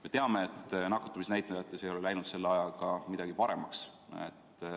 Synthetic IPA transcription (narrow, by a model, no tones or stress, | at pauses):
me̞t̪e̞ɑme̞et̪ːˑnɑkːˑɑ̥t̪ːumisnæjt̪ned̪ɑt̪ːˑesejo̞lelæjnud̪̥se̞lːeɑjɑlkɑmid̪̥ɑɡ̥ipɑɾe̞mɑksḛt̪ː